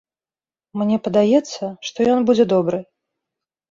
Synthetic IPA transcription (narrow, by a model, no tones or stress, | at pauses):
mnʲɛpɐd̪ajɛt̪sːɐʂt̪ɔjɔnbud͡zʲɛd̪ɔbɾɨ